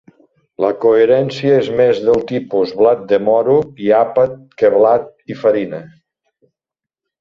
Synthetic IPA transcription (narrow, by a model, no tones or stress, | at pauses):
ləkoeɾɛnsiəezmezðəlˠt̪ipuzβlat̪̚d̪əmɔɾuiapət̪̚kəβlat̪̚ifəɾinə